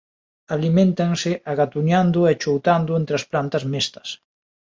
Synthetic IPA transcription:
alimẽnt̪aŋsɪʔaɣat̪uɲand̪ʊɛt͡ʃowt̪and̪ʊent̪ɾeɐsplant̪ɐzmest̪ɐ̥s

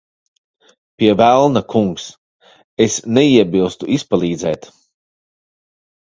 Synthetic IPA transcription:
piɛvælˠnakʰuŋks | esnɛiɛbilˠst̪uʔispalˠiːd̪zɛ̰ːt̪

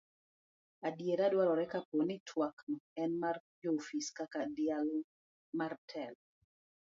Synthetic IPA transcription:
adjeɾadwaɾɔɾɛkaponitʰwaknɔɛnmard͡ʒofiskakadɪal | martʰɛl

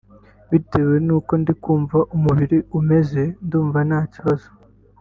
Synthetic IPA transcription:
βite̞βwenuːko̞ndikuːɱvaʔumuβiɾiume̞ze̞nduːɱvanaːciβazo

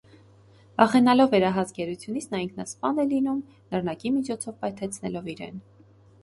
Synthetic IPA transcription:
bɑχɛnɑlɔvːɛɾɑɦɑsɡɛɾut͡sʰjunit͡sʰnɑiŋkʰnɑspɑnɛlinum | nərnɑkimit͡ʃʰɔt͡sʰɔvpɑjt̪ʰɛt͡sʰnɛ̰lɔviɾɛ̰n

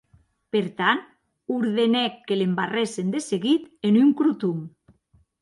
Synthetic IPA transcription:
peɾt̪an | uɾðenɛkːelembaresend̪eseɣit̪enyŋkɾut̪um

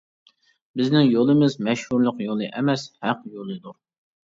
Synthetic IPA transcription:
bɪznɪŋjolˠɨmɪzmɛʃhuɾlˠəqjolˠɨʔɛmɛshæqjolˠɨd̪uɾ

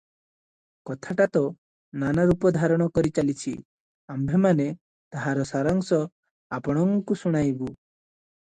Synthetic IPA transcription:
kɔt̪ʰaʈat̪ɔ | nanaɾupɔd̪ʱaɾɔɽ̃ɔkɔɾit͡ʃalit͡ʃʰi | ambʱemane | t̪aɦaɾɔsaɾɔŋsɔ | apɔɽ̃ɔŋkusuɽ̃ajbu

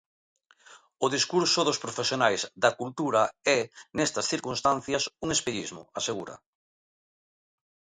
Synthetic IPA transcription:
ʊðiskuɾsʊðospɾofesjonajzd̪ɐkult̪uɾaɛnɛst̪ɐsθiɾkunst̪an̟θjɐsuŋespeʎizmʊ̰aseɣuɾɐ̰

